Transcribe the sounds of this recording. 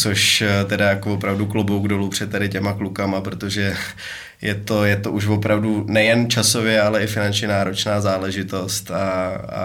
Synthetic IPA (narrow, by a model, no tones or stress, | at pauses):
t͡soʃt̪ɛdajakvopɾavduklobowɡdolupr̝̥ɛt̪ːadɪcɛmaklukamapɾo̞t̪o̞ʒɛ | jɛt̪o̞jɛt̪oʔuʃvo̞pɾavdunɛjɛnt͡ʃaso̞vɪjɛalɛɪfɪnant͡ʃɲɛnaːɾo̞t͡ʃnaːzaːlɛʒɪt̪o̞st̪aa̰